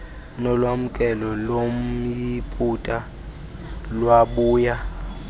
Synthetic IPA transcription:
nɔlwam̩kʼɛlɔlom̩jipʼutʼa | lwaɓuːja

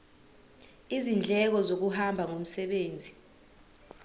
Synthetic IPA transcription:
izind͡ɮʱɛk̬ɔzok̬uhambʱaŋom̩sɛɓeːnd͡zʱi

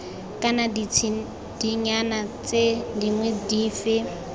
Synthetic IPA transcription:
kʼanadit͡sʰi | d̥iɲanat͡sʼediŋwɛdiːfɪ

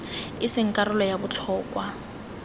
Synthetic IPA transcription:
ɪsɪŋ̩kʼaɾʊlɔjabʊt͡ɬʰɔːkʼwa

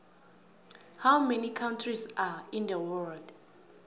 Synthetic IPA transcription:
hawmɛnikʰawntʰrizaĩnd̪əwɛld

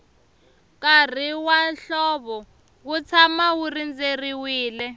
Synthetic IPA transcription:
kar̤iwanɬɔβɔ | kut͡sʰamawurind͡zeriwiːlɛ

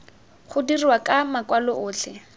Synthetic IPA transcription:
χʊdiriwakʼamakwalɔʔʊːt͡ɬʰɛ

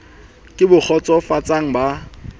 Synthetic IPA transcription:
kʼɪbʊk͡xʰɔt͡sʼɔfat͡sʼaŋ̩ba

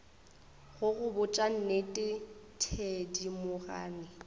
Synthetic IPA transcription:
ɣʊɣʊbʊt͡ʃʼan̩netʼɪtʰedimʊɣa̰ːnɪ

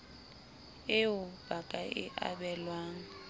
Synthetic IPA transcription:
ɪʊbakʼaʔɪʔa̰ɓɛlwaːŋ̩

